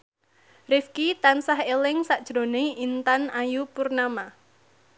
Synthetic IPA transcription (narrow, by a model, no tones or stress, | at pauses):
rɪfkit̪ansaɦelɪŋsaʔd̥ʒ̥ɾo̤neint̪anajupurnama